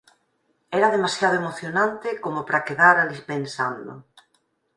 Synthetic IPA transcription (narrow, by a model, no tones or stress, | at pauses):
ɛɾɐðemasjaðoemoθjonãnt̪ɪkomopɾakeðaɾalispensand̪ʊ̰